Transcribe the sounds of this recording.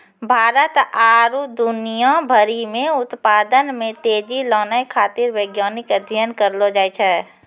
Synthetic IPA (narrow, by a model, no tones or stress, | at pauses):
bʱaːɾət̪aːɾud̪ʊnijabʱəɾimẽʊt̪paːd̪ənmẽt̪eːd͡ʒilɔːnajkʰaːt̪ɪɾʋeɡjaːnɪkəd̪ʱjənkəɾlod͡ʒaːit͡ʃʰɛː